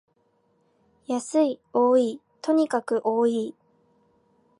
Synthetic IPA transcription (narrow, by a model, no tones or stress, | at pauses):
jasɨio̞ːiː | t̪ʰo̞ɲ̟ikakɯ̟ʔo̞ːiː